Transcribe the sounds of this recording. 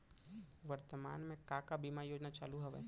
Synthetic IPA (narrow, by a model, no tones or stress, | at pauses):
ʋəɾt̪əma̰ːnmẽkaːkabimaːɾijoːd͡ʒnat͡ʃa̰ːluɦɐʋḛː